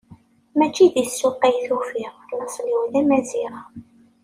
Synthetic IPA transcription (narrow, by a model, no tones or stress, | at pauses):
mæt͡ʃːiðisːʊqːejθufiʁləsˤliwlæmæziɾa